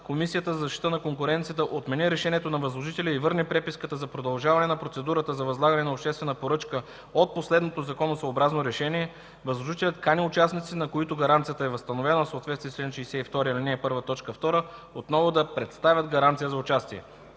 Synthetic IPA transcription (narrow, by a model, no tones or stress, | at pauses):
komisijət̪əzɐzɐʃt̪it̪ənɐkoŋkʊɾɛnt̪sijət̪əʔot̪mɛniɾɛʃɛniɛt̪onɐvɐəzlˠoʒit̪ɛlʲəivɤɾnipɾɛpiskət̪əzɐpɾod̪ɐlˠʒavɐnɛnɐpɾot̪sɛd̪uɾət̪əzɐvɐzlˠaɡənɛnɐopʃt̪ɛst̪vɛnəpoɾɤt͡ʃkə | ot̪̚poslɛd̪not̪ozɐkɔnosvoːbɾaznoɾɛʃɛniɛ | vɐzlˠoʒit̪ɛlʲɐt̪kanʲiʊt͡ʃasnit̪sit̪nɐkoit̪oɡɐɾant̪sijət̪əɛvɐst̪ɐnovɛnəfsoːt̪vɛt̪st̪viɛsɛʃɛisɛift̪ɔɾiəlʲiniɛpɤɾvət̪ɔt͡ʃkəft̪ɔɾəot̪nɔvʊd̪ɐpɾɛt̪st̪avʲəd̪ɡɐɾant̪sijəzɐʊt͡ʃast̪iɛ̰